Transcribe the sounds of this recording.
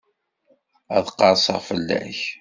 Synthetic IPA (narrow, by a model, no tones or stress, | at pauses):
æðqːɑɾˤsˤə̰ʁfəlːæ̰ç